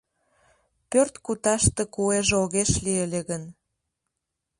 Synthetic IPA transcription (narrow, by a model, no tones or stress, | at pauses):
pørt̪kut̪ɑʃt̪ekueʒoɣeʃlielʲeɣən